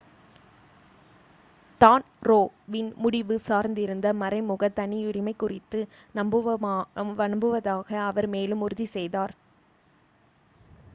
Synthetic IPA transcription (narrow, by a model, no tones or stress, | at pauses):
t̪aːn | ɾoːʋɪnmʊɽɪʋɯsaːɾnd̪ɪɾɯnd̪ɐmɐɾɐɪmʊɣɐt̪ɐnɪʊɾɪmɐɪkːʊrɪt̪ːɯ | nɐmbɯ | ʋɐnmbɯʋɐðaːɣɐːʋɐɾmeːlɯmʊɾɯðisɛjðaːɾ